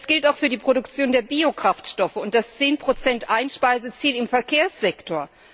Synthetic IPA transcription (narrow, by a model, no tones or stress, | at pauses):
sɡ̥ɪltaʊxfyːɐdiːpʁ̥oɾʊkt͡sjoːndeːɐbiːokʁ̥aftʃtɔfəʊntd̥ast͡seːnpʁ̥ot͡sɛntʔaɪnʃpaɪzət͡siːlɪmfɛɐkʰeːɐsz̥ɛktʰoːɐ